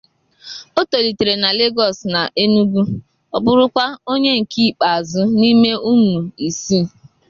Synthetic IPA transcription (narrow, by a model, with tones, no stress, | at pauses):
o˦to˨li˨te˨ɾe˨na˨le˦ɡɔ˨sna˨ʔe˦nu˦ɡu˦ | ɔ˨bʊ˦ɾʊ˦kʷa˦o˦ɲe˦ŋ̩˨ki˦˨k͡pa˨a˨zʊ˦ni˦me˦ʔu˦mu˨i˨si˦˨